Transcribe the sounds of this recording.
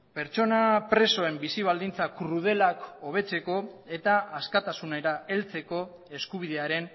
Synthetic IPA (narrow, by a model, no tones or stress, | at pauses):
pe̞ɾt͡ʃo̞napɾe̞so̞e̞mbisiβ̞ald̪int͡sakɾuð̞e̞lakoβ̞e̞t͡se̞ko̞e̞t̪aːskat̪asunaɾae̞lt͡se̞ko̞ | e̞skuβ̞iðe̞aɾe̞n